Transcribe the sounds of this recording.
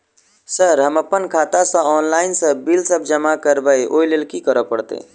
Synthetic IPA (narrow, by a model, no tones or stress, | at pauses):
səɾɦəməpənkʰaːt̪asãɔːnlaːɪnsə̃bilsəbʱd͡ʒəmakəɾbəeʔoːlelkikəɾəpəɽt̪ḛ